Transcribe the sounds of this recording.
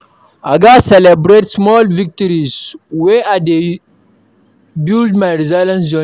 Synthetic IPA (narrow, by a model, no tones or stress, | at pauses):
aɡasɛlɛbɾetsmɔlvik̚tɔɹizweade | bildmaɹizalɛ̃nsd͡ʒɔ